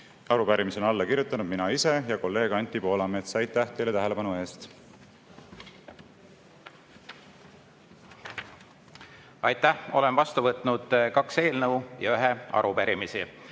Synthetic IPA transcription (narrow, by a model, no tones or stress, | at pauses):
ɑɾupæɾimiseonɑlːɑkirɾjut̪ːˑɑnud̪̚minɑise̞jɑko̞lːe̞ːɡ̥ɑnʲt̪ːˑipo̞ːlɑme̞t̪sɑjt̪ːˑæht̪e̞jlet̪æɦele̞pɑnue̞ːst̪ | ɑjt̪ːˑæho̞̰lemvɑst̪uvɤt̪ˑnud̪̥kɑkse̞ːlnɤwjɑ̰yɦeɑ̰ɾupæɾimisi